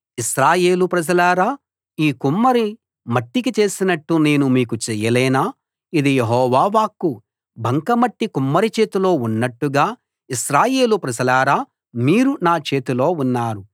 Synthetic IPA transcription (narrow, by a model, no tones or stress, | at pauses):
iʃɾaːje̞ːlupɾɐd͡ʒɐlaːɾaː | iːkumːɐɾi | mɐʈːik̬it͡ʃe̞ːsinɐʈːune̞ːnumiːkut͡ʃɛjɐlɛːnaː | id̪ijeɦɔːʋaːʋaːkːu | bʱɐŋkɐmɐʈːikumːɐɾit͡ʃe̞ːt̪ulo̞ːunːɐʈːuɡaː | iʃɾaːje̞ːlupɾɐd͡ʒɐlaːɾaː | miːɾunaːt͡ʃe̞ːt̪ulo̞ːunːaːɾu